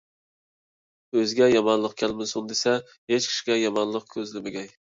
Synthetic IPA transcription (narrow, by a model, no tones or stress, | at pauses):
øzɡʲɛjɑmɑnlˠəq̚kʲʰælmɪsund̪esɛ | het͡ʃkʲʰi̥ʃi̥ɡʲɛjɑmɑnlˠəq̚kʲʰøzlɪmɪɡʲɛj